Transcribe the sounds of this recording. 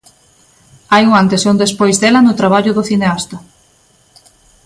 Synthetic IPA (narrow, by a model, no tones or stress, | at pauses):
ajuŋant̪esond̪espojzðelɐnʊt̪ɾaβ̞aʎʊðʊθineast̪ɐ